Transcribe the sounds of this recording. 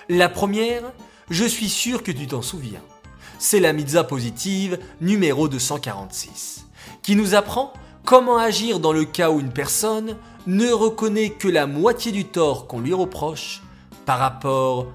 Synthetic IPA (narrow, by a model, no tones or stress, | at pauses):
lapχəmjɛːʁ | ʒəsɥisyʁkət̪̬yt̪ɑ̃suvjɛ̰̃ | sɛlamid̪zapozit̪ivnymeʁod̪əsɑ̃kaʁɑ̰̃t̪si̥s | kʲinuzapχɑ̃ | kɔmɑ̃aʒiʁd̪ɑ̃ləkauynpɛʁsɔnː | əʁəkɔnɛkəlamwat̪jed̪yt̪ɔʁkɔ̃lɥiʁəpχɔʃ | paʁːapɔːʁ